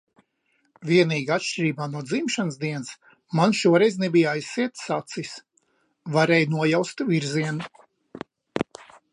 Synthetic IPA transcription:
vʲiɛniːɡaat̪ʃt͡ʃiɾiːbaːnuɔd̪zimʃansd̪iɛns | manʃuɔɾɛjznɛbijajsːiɛt̪sat̪sis | vaɾɛjnuɔjawst̪viɾziɛnu

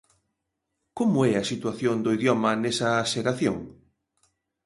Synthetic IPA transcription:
komʊɛɐsit̪waθjond̪oiðjɔmɐnɛsɐːʃeɾaθjoŋ

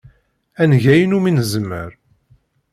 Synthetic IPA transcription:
ænʝæjənuminzəmːə̰ɾ

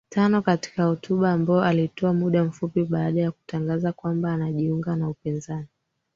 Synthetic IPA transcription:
tanɔkati̥kahɔtuɓaːmbaɔʔalitɔamuɗam̩fupiɓaaɗajaku̥taŋɡazakwambaːnaʄiuŋɡanaupinzani

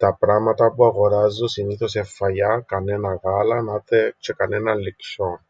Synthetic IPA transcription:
t̪ɐpɾɐmɐt̪ɐpuɐɣo̞ɾɐzːusiniθo̞se̞fːɐʎɐkɐne̞nɐɣɐlɐnɐt̪et͡ʃekɐnenɐllikson

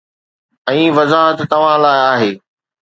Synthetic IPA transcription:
ɛ̃ːʋɐzaːɦət̪ːɐʋ̤ãlaːɪaːɦeː

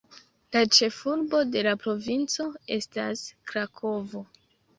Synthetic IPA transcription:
lat͡ʃe̞fuɾbo̞de̞lapɾo̞vint͡so̞e̞̰staskɾakʰo̞vo̞

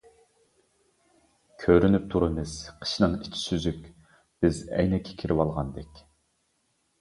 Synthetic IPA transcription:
kʲʰøɾynyp̚t̪ʰuɾɨmɨz̥qʰə̥ʃnɨŋit͡ʃʰi̥syzykʲ | b̥ɪzɛ̰jnɛkʲʰːɛ̥kʲʰiɾɪwɑlˠʁɑnd̪ɛkʲ

